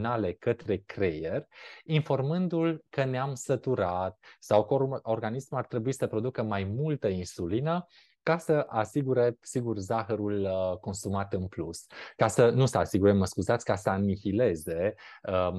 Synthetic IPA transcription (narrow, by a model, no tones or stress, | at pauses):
nale̞kət̪ɾe̞kɾejerʲinfo̞rmɨnd̪ulkəneamsət̪uɾat̪sawkəo̞rɡanismart̪ɾe̞buisəpɾo̞d̪ukəmajmult̪əinsulinə | kasəʔasiɡuɾe̞siɡurzaxəɾuləko̞nsumat̪ɨnpluskasənusəasiɡuɾeməskuzat̪sʲkasəanifile̞ze̞ə